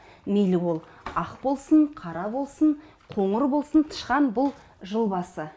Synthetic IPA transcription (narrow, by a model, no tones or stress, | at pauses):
mejlɪwo̞lˠ | ɑqbo̞lˠsəɴqʰɑɾɑbo̞lˠsən | qʰo̞ɴəɾbo̞lˠsənt̪ʰə̥ʃqɑnbʊlˠ | ʒəlˠbɑsə